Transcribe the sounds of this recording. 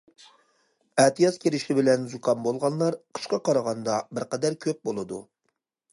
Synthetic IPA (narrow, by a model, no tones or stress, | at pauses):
ɛt̪ʰɨjɑzkʲeɾɪʃɪbɪlɛnzukʰɑnbolˠʁɑnlˠɑɾqʰə̥ʃqɑqɑɾɑʁɑnd̪ɑbɪɾqɛd̪æɾkʲʰøp̚bolˠɨd̪ṵ